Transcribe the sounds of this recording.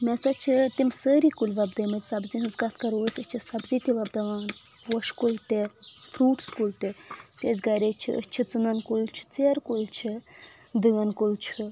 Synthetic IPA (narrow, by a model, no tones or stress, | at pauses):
mʲɛsɐt͡ʃʰit̪imsəːɾikulʋɐbd̪ɐmɐt̪ʲsɐbzĩɦɨzɡat̪ʰkɐɾoːsʲɐt͡ʃʰisɐbzĩːt̪iʋɐbd̪ɐʋaːn | wɐʃkult̪efɾuːʈskult̪epʲezɡaɾet͡ʃʰḭʔə̰t͡ʃʰit͡sunɐnkult͡ʃʰi̥t͡seːɾkult͡ʃʰi | d̪ɨɡɐnkult͡ʃʰɨ